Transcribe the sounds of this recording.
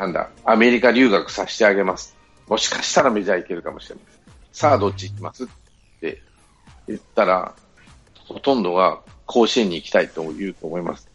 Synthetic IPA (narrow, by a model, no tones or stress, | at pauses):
nãnd̪a̰ame̞ɾʲikaɾʲɨːɡakɯ̟̥saɕi̥t̪e̞aɡe̞masɨ̥ | mo̞ɕi̥kḁɕi̥t̪aɾameʑaike̞ɾɯ̟kamo̞ɕiɾe̞na | saːd̪o̞t͡ɕːiikʲimasɨt̪ː | e̞̰ | jɯ̟t̪ːaɾa̰ | ho̞t̪õ̞nd̪o̞ɡa | kʰo̞ːɕĩɲ̟ːiːkʲi̥t̪ait̪o̞jɯ̟ːt̪o̞ːmo̞ima̰sɨ̥